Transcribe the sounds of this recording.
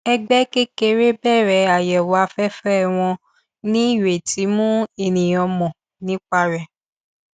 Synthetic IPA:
ɛ˧ɡ͡bɛ˦ke˦ke˧ɾe˦bɛ˦˨ɾɛ˨a˨jɛ˨wa˨˦˧fɛ˦fɛ˦ɛ˦˨w̃ɔ̃˧ | nĩ˦i˦˨we˨ti˨˦mũ˦e˨nĩ˨ɔ˧mɔ̃˨ | nĩ˦k͡pa˧ɾɛ˨

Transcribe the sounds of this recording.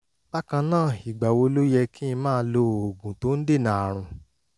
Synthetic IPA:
ba˦kã˧nãː˦˨i˨ɡ͡ba˨wo˧lo˦jɛ˧kĩ˦ĩ˧mãː˦˧˦lo˧˨o˨ɡũ˨to˨˦n̩˦de˦˨nã˨a˨ɾ̃ũ˧

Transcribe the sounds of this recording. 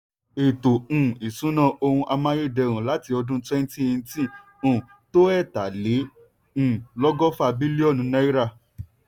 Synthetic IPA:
e˨tõ˨i˨sũ˨˦nã˦˧ʔo˧hũ˧ʔa˧mã˧˦je˦˨dɛ˧˨ɾ̃ũ˨la˨˦ti˧ɔ˧dũ˦twɛ˦n˦tĩ˦˨ĩ˧˦tĩ˦˨ | to˦ɛ˦˨ta˨lẽ˨˦˨ | lɔ˦ɡɔ˦fa˦˧bi˦li˦ɔ˦˨nũ˨˧˦nã˦i˦ɾa˦˨

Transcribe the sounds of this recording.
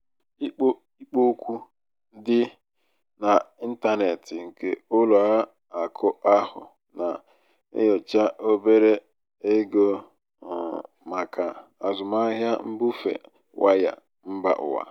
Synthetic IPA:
i˦k͡po˦ | i˦k͡po˦kʷu˦ | dɪ˦ | na˨i˦n̩˦ta˦ne˨tɪ˨ŋ̩˨kḛ˦ʊ˦lo˨a˦ | a˨kʰʊ˦ʔa˦hʊ̰˨ | na˨ | ḛ˦jɔ˨t͡ʃa˦ʔo˦be˦ɾe˦ | e˦ɡo˦˨ | ma˨kʰa˨a˨zʊ˨ma˦ɦja˦m̩˦bʊ˦fḛ˨ | wa˦ja̰˨ | m̩˦ba̰˦ʔʊ̰˨wa̰˨

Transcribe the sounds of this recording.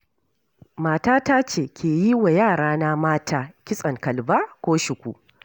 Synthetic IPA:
maː˨taː˦ta˦t͡ʃeː˨kʲʰeː˨ji˦wa˨jaː˦˨ɽaː˦na˦maː˦tʰaː˦kʲɪ˦sʼɐ˨ŋkɐ˨lbaː˦kʷoː˦ʃɪ˨kʷu˨

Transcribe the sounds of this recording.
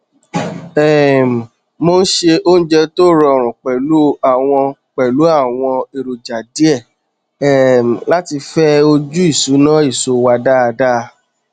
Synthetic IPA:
ɛ˨m̩˨ | mo˧n̩˦ʃe˧o˦n̩˦d͡ʒɛ˧to˦˨ɾɔ˧˨ɾ̃ũ˨k͡pɛ˨lu˨˦a˦˨w̃ɔ̃˧k͡pɛ˨lu˨˦a˦˨w̃ɔ̃˧e˨ɾo˨d͡ʒa˨di˨˦ɛ˦˨ | ɛ˨m̩˨la˨˦ti˧fɛ˦o˧d͡ʒu˦i˦˨su˨˦nã˦i˦˨so˨˦wa˧da˦˧da˦˧

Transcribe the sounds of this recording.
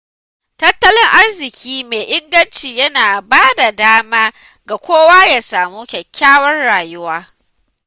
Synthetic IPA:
tɐ˦tːɐ˦lɪ˦ŋʔa˦rzɪ˨kʲʰiː˦meː˨ʔɪ˦ɡɐ˦nt͡ʃiː˨jɐ˦naː˨baː˦da˨daː˦maː˦ | ɡa˨kʷoː˦waː˦jaː˦saː˨muː˦kʲɛ˨kʲːaː˦wɐ˦nɽaː˨jʊ˦waː˦

